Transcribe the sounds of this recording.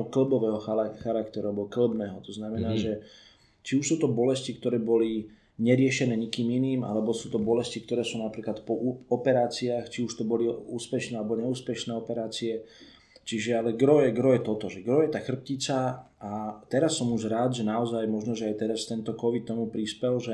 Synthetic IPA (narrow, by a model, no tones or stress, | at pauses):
ɔkl̩bɔʋɛːɦɔxxaɾakt̪ɛɾuabɔkl̩bnɛːɦɔt̪ɔznamɛnaːʒɛ | t͡ʃiuʃsuːt̪ɔbɔlɛscik̚t̪ɔɾɛːbɔli | ɲɛɾɪɛʃɛnɛːɲikiːminiːma̰lɛbɔsuːt̪ɔbɔlɛscik̚t̪ɔɾɛːsuːnapɾiːklat̪pɔɔpɛɾaːt͡siaːxt͡ʃiuʃt̪ɔbɔliuːspɛʃnɛːalɛbɔɲɛuːspɛʃnɛːɔpɛɾaːt͡siɛ | t͡ʃiʒɛalɛɡɾɔjɛɡɾɔjɛt̪ɔt̪ɔʒɛɡɾɔjɛt̪aːxr̩p̚cit͡sa | at̪ɛɾasːɔmuʒɾaːd̪ʒɛnaɔzajmɔʒnɔʒɛajt̪ɛɾast̪ɛnt̪ɔkɔʋit̪̚ːɔmupɾispɛlʒɛ